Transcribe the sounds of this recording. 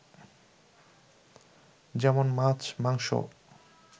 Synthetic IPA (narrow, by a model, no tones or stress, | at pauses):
d͡ʑɛmonmat͡ɕmaŋʃo̰